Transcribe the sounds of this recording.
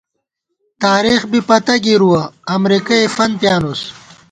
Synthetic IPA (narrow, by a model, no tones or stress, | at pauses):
t̪aːɾiːxbipɐt̪ɐɡiɾuwɐɐmɾikɐefɐn̚pjaːnus